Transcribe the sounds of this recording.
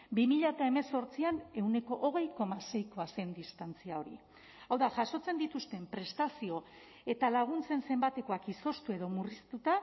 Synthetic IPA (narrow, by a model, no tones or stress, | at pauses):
bimiʎat̪ae̞me̞so̞ɾt͡siane̞wne̞ko̞ʔoɣ̞e̞jko̞mase̞jko̞ase̞nd̪ist̪ant͡siao̞ɾḭ | awðaʝaso̞t͡se̞nd̪it̪ust̪e̞mpɾe̞st̪asio̞ | e̞t̪alaɣ̞unt͡se̞nse̞mbat̪e̞ko̞akiso̞st̪ue̞ðo̞murist̪ut̪a